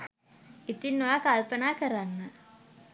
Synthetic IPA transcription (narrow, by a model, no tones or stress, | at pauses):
it̪inːoʋakalpənaːkəɾanːə